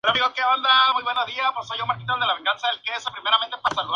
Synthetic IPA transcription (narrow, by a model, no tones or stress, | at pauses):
eɾomiɣokeβand̪amujβenaðiapoɾsajomaɾkit̪ald̪elaβe̞ŋɡansaelkesapɾime̞ɾament̪ep̪asaluð